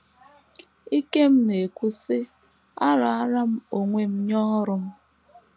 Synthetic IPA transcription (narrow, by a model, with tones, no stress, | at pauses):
i˦ke˦m̩˦ne˨kʷu˦sɪ˦ | a˦ɾa˨a˦ɾa˦m̩˦o˨ŋʷe˦m̩˦ɲɔ˦ɾʊ˦m̩˦